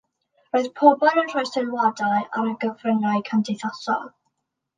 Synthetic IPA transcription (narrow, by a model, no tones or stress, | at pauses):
roːɨðpʰɔbɔlˠənr̥ɔjsɪlwadajaɾəɡəvrənaɨkʰandɪθɔsɔ̰lˠ